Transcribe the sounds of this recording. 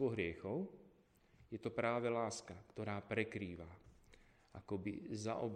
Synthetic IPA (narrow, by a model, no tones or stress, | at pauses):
ɔɦɾɪɛxɔʊ | jɛt̪ɔpɾaːʋɛlaːskakt̪ɔɾaːpɾɛkɾiːʋa | ʔakɔbḭza̰ʔɔ̰b